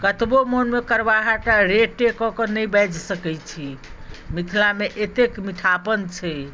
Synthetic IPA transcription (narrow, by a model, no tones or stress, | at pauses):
kət̪bomonmekəɾʋaɦaʈaɾeʈːekɔkɔnəjbɛd͡ʒsəkɛt͡ʃʰimit̪ʰilameʔet̪ekmiʈʰapənt͡ʃʰɛ